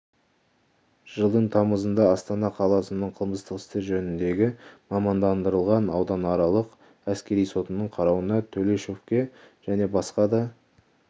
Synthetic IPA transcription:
ʒ̥əlˠd̪əɴt̪ʰɑməzənd̪ɑɑst̪ɑnɑqʰɑlˠɑsənːəɴqʰəlˠməst̪əqɪ̥st̪e̞ɾʒɵnɪnd̪e̞ɡʲɪmɑmɑnd̪ɑnd̪əɾəlˠʁɑnɑwd̪ɑnɑɾɑlˠəq | æskʲe̞ɾijso̞t̪ənːəɴqʰɑɾɑwənɑt̪ʰɵle̞ʃofkʲe̞ | ʒ̥æne̞bɑsqɑd̪ɑ

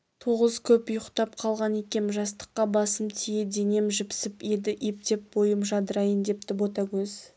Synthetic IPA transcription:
t̪ʰoʁəzkʲʰɵpʊjəqt̪ɑp̚qʰɑlˠʁɑnekʲe̞mʒɑst̪ə̥qːɑbɑsəmt̪ʰijed̪e̞ne̞mʒɪpsɪped̪ɪʔip̚t̪e̞p̚bo̞jəmʒɑd̪əɾɑjənd̪e̞p̚t̪ɪbot̪ɑkʲɵz̥

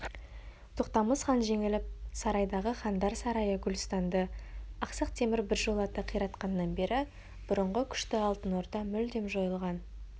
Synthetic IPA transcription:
t̪ʰoqt̪ɑməsχɑnʒe̞ŋɪlɪp̚sɑɾɑjd̪ɑʁəχɑnd̪ɑɾsɑɾɑjəɡʲʊlʲst̪ɑnd̪əɑqsəqt̪ʰe̞mɪɾbɪɾʒolˠɑt̪əqʰijɾɑt̪qɑnːɑnbe̞ɾɪ | b̥ʊɾəɴʁəkʲʰʏ̥ʃt̪ɪɑlˠt̪ənoɾd̪ɑmʏld̪e̞mʒo̞jəlˠʁɑn

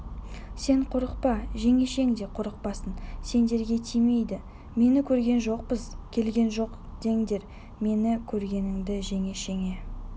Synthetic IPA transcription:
se̞ɴqʰʊɾəqpɑʒe̞ŋe̞ʃe̞ŋd̪e̞qʰʊɾəq̚pɑsənse̞nd̪e̞ɾɡʲe̞t̪ʰijme̞jd̪ɪ | me̞nɪkʲʰɵɾɡʲe̞nʒo̞q̚pəz̥kʲʰe̞lɡʲe̞nʒo̞q | d̪̥e̞ŋd̪e̞ɾ | me̞nɪkʲʰɵɾɡʲe̞nɪŋd̪ɪʒe̞ŋe̞ʃe̞ŋe̞

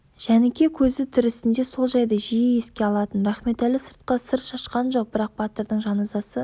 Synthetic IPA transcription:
ʒ̥ænɪkʲe̞kʲʰɵzɪt̪ʰʏɾɪsɪnd̪e̞so̞lˠʒɑjd̪əʒijɪe̞skʲe̞ɑlˠɑt̪ənɾɑχme̞t̪ælɪsəɾt̪̚qɑsəɾt̪ʃɑʃqɑnʒo̞q̚bɪɾɑq̚bat̪eɾd̪əɴʒɑnɑzɑsə

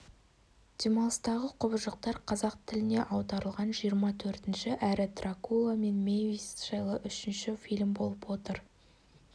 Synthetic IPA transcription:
d̪̥ʲemolˠst̪ɑʁəqʰʊbəʒəq̚t̪ɑɾqʰɑzɑq̚t̪ʰɪlɪne̞ʔɑwd̪ɑɾəlˠʁɑnʒijəɾmɑt̪ʰɵɾt̪ɪnʃɪʔæɾɪt̪rakulˠame̞nmʲejvisʃɑjlˠəʔʏʃɪnʃɪfʲijlʲmbo̞lˠəpwo̞t̪əɾ

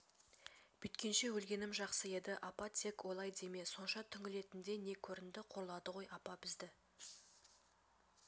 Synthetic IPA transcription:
b̥ʏt̪kʲe̞nʃe̞wɵlɡʲe̞nɪmʒɑqsəe̞d̪ɪʔɑpɑt̪ʰe̞kwo̞lˠɑjd̪e̞me̞so̞nʃɑt̪ʰʏŋʲɪle̞t̪ɪnd̪e̞ne̞kʲʰɵɾɪnd̪ɪqʰo̞ɾlˠɑd̪əʁo̞jʔɑpɑbɪzd̪ɪ

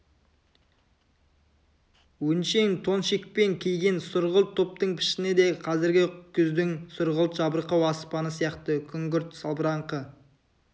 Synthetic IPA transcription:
wɵnʃe̞ŋt̪ʰo̞nʃik̚pe̞ŋkʲʰejɡʲensʊɾʁəlˠt̪ʰːop̚t̪əɴpʰɪ̥ʃɪned̪e̞qʰɑzɪɾɡʲɪkʲʰʏzd̪ɪŋsʊɾʁəlˠt̪ʒɑbəɾqɑwɑspɑnəsijɑqt̪əkʲʰʏŋɡʲʏɾt̪sɑlˠbəɾɑɴqə

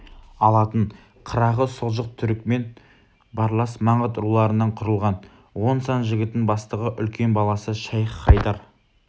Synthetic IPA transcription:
ɑlˠɑt̪əɴ | qʰəɾɑʁəsʊʁʒəq̚t̪ʰʏɾɪk̚me̞n | bɑɾlˠɑsmɑɴət̪ɾulˠɑɾənːɑɴqʰʊɾəlˠʁɑn | wo̞nsɑnʒɪɡʲɪt̪ːɪŋbɑst̪əʁəʔʏlkʲʰe̞nbɑlˠɑsəʃɑjqʰːɑjt̪ɑɾ

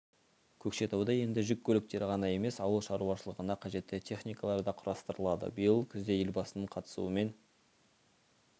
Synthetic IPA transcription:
kʲʰɵkʃe̞t̪ɑwd̪ɑje̞nd̪ɪʒʏkʲʰːɵlɪk̚t̪e̞ɾʁɑnɑje̞me̞sɑwəlˠʃɑɾuɑʃəlˠəʁənɑqʰɑʒe̞t̪ːɪt̪ʲʰe̞χnijkɑlˠɑɾd̪ɑqʰʊɾɑst̪əɾəlˠɑd̪ə̰bijəlˠkʲʰʏzd̪e̞jelbɑsənəɴqʰɑt̪ə̥sṵəme̞n

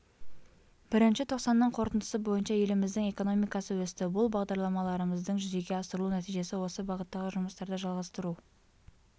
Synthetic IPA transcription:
b̥ɪɾɪnʃɪt̪ʰoqsɑnːəɴqʰo̞ɾt̪ənd̪ə̥səbo̞jənʃɑje̞lɪmɪzd̪ɪŋe̞ko̞no̞mijkɑsəwɵst̪ɪbʊlˠbɑʁd̪ɑɾlˠɑmɑlˠɑɾəməzd̪əɴʒʏze̞ɡʲe̞ɑsəɾəlˠunæt̪ijʒe̞sɪwo̞səbɑʁət̪ːɑʁəʒʊməst̪ɑɾd̪əʒɑlˠʁɑst̪əɾu

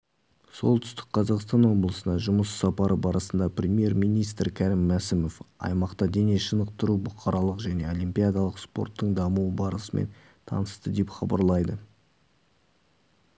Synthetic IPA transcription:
so̞̰lˠt̪ʰʏ̥st̪ɪ̥k̚qʰɑzɑqst̪ɑnwo̞blˠəsənd̪ɑʒʊməssɑpɑɾəbɑɾəsənd̪ɑprʲemʲije̞ɾmijnijst̪ɾkʲʰæɾɪmːæsɪmo̞fɑ̰jmɑqt̪ɑd̪e̞neʃənəqt̪əɾubʊqʰɑɾɑlˠəqʒæne̞o̞limpʲijad̪ɑlˠəqspo̞̰rt̪ːəɴd̪ɑmuwəbɑɾəsəme̞̰n | t̪ʰɑ̰nəst̪əd̪e̞pχɑ̰bɑ̰ɾlˠɑjd̪ə

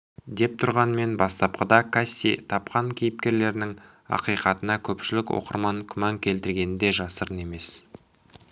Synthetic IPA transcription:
d̪e̞p̚t̪ʰʊɾʁɑnme̞nbɑst̪ɑp̚qəd̪ɑkʰasʲːḭt̪ʰɑpqɑŋkʲʰejɪp̚kʲe̞ɾle̞ɾɪnɪŋ | ɑ̰qijqɑt̪ənɑkʲʰɵpʃɪlɪkwo̰qə̰ɾmɑŋkʲʰʏmɑŋkʲʰe̞lt̪ɪɾɡʲe̞nɪnd̪e̞ʒɑsəɾəne̞me̞s

